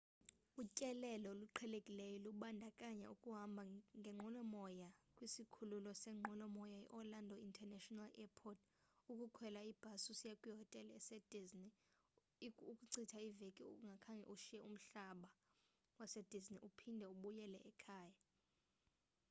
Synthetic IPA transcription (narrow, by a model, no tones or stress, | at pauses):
ucʼɛlɛlɔluǃʰɛlekʼilɛjɔluɓandʱakʼaɲɛ̰ukʼuɦambʱaŋɡʱɛŋ͡ǃʱɔlɔmɔjakʼwisikʰululɔsɛŋ͡ǃʱɔlɔmɔjajɛ̰ʔɔlandʱɔintʰʼɛnɛʃɔnalɛpʰɔtʰ | ukʼukʰwɛlaib̥ʱasusjakʼwiɦɔtʼɛlɛsɛd̥ʱizni | ukʼuǀʰitʰaivekʼḭŋɡʱakʰaŋʱɛ̰ʔuʃijɛum̩ɬaɓa | wasɛd̥ʱizniʔupʰindʱɛuɓujɛlɛʔɛkʰaːja